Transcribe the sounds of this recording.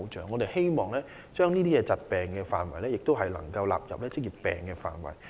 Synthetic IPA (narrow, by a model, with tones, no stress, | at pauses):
wt͡ʃœ̰ː˨˩ŋːɔː˨˧t̪e˨jhe˥jmɔː˨˩ŋlɛː˥ | t͡ʃœː˥ŋniː˥t̪̬iː˥jɛː˧t͡sɐ˨t̚pɛː˨˩ŋkɛː˧faː˨˩nwɐ˨˩jlɛː˥jɪ˨k̚t̪o˥wɦɐ˨jlɐ̰˨˩ŋkɐ˧wlaː˨p̚jɐ̰˨p̚lɛː˥t͡sɪ˥k̚jiː˨pːɛ̰ː˨˩ŋkɛː˧fa̰ː˨nwɐ̰˨˩j